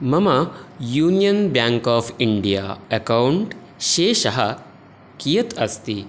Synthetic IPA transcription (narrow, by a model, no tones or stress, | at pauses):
məmajuːnijənbjãŋkɔːfiɳɖija̰əkauɳʈ | ɕeɕaɦa | kijət̪ʰəst̪i